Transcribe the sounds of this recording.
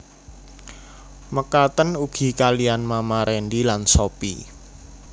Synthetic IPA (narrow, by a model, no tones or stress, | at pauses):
məkat̪ənuɡ̥i̤kalijanmamaɾɛnɖilansopḭ